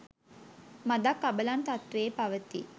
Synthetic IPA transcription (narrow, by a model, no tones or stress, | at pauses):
mad̪akːabəlant̪at̪ʋeːpaʋət̪ḭ